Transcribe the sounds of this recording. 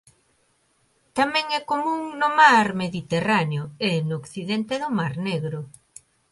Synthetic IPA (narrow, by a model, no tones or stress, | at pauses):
t̪amɛ̃ŋɛkomũŋnʊmaɾmeðit̪eraneʊenokθiðɛnt̪eðʊmaɾneɣɾʊ